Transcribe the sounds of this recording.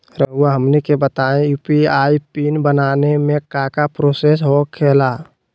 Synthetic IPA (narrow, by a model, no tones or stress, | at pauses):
ɾəɦuaɦəmnekebət̪aẽjupiaːipiːnbənaːnemẽkakapɾoːsesɦokʰːeːla